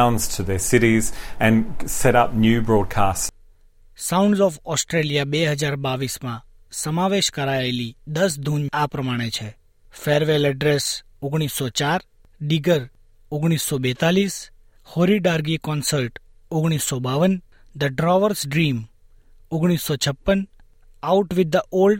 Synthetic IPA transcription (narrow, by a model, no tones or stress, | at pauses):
ʊ̃nz̥tʰɨðəsɪɾizɨ̃nsɛɾʌp̚njʉbɹɔd̚kʰas | saʊ̃ɳɖzɔfɔsʈɾelijabeɦəd͡ʒaɾbaʋismã | səmaʋeʃkəɾaelid̪əs̬d̪ʱunapɾəmaɽ̃et͡ʃʰe | feɾʋeləɖɾes | oɡɽ̃isːɔt͡ʃaɾ | ɖiɡəɾ | oɡɽ̃isːɔbɛt̪alis | hoɾiɖaɾɡikɔnsəlʈ | oɡɽ̃isːɔbaʋən | d̪əɖɾɔʋəɾsɖɾim | oɡɽ̃isːɔt͡ʃʰəpːən | auʈʋɪd̪ːəʔolɖ